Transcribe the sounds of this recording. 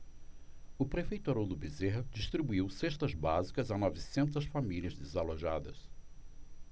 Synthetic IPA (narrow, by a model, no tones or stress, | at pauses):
ʊpɾefejt̪aɾod̪ʊbizeɦɐd͡ʒiʃt̪ɾibuiwseʃt̪ɐzbazikɐzɐnɔvisẽnt̪ɐsfamiliɐzd̪ezaloʒad̪ɐ̰s